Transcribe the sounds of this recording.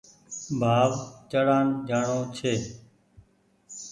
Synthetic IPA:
bʱaːʋt͡ʃəɽaːnd͡ʒaːɳõːt͡ʃʰeː

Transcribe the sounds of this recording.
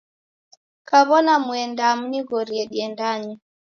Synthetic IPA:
kaβɔnamuɛndamuniɣɔɾiɛɗiɛndaɲi

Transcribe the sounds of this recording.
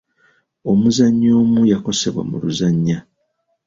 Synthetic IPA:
o̞muzaɲːo̞ːmujako̞se̞βwa̰mṵluzaɲːa

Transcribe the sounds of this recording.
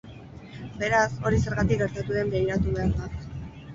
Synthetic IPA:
be̞ɾaso̞ɾise̞ɾɣat̪ik̚ɡe̞ɾt̪at̪uðe̞mbe̞iɾat̪uβe̞aɾd̪a

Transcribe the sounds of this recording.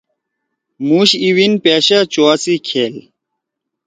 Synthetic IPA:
muːɕiwinpeɕat͡ɕoasikʰeːl

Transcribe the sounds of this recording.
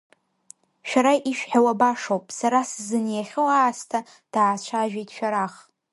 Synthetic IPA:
ʃᶣaɾaʔiʃᶣħawabaʂowpʼsaɾasɨzɨnjaχʲɨwaːstʰa | d̥aːt͡ʃʷʰaʒᶣejtʼʃᶣaɾaχ

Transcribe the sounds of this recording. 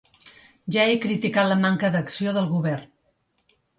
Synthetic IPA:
ʒaekɾit̪ikat̪ləmaŋkəðəksioðəlˠɣuβɛrn

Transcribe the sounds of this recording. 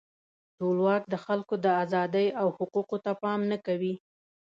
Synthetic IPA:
ʈolwɑk̚d̪əxalkod̪əazɑd̪əjawhʊquqot̪apɑmnakawi

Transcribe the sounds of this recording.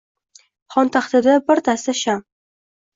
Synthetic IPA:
χɒnt̪ʰaχt̪ɪd̪abɪɾt̪ʰast̪aʃam

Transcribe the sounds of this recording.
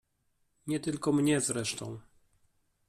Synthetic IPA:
ɲɛt̪ɘlkɔmɲɛzɾɛʂt̪ɔ̃w̃

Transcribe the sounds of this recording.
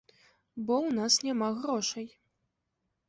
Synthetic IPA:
bɔwnasnʲamaɣɾɔʂɐj

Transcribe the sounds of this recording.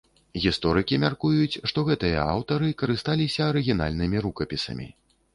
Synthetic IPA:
ɣʲist̪ɔɾɨkʲimʲarkujut͡sʲʂt̪ɔɣɛt̪ɨjɐ̰a̰wt̪ɐɾɨkɐɾɨst̪alʲisʲɐːɾɨɣʲina̰lʲnɨmʲiɾukɐpʲisɐ̰mʲḭ

